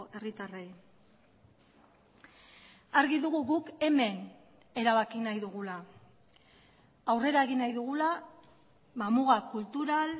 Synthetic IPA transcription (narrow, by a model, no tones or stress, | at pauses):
e̞rit̪arej | aɾɣiðuɣuɣuke̞me̞n | e̞ɾaβakinajðuɣula | wre̞ɾae̞ɣinajðuɣ̞ula | mamuɣakult̪uɾal